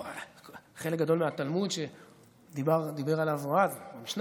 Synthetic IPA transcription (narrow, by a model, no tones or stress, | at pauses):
χelekɡad̪o̞lmeat̪almud̪ʃe | d̪ibaʁd̪ibe̞ʁalavoadbamiʃna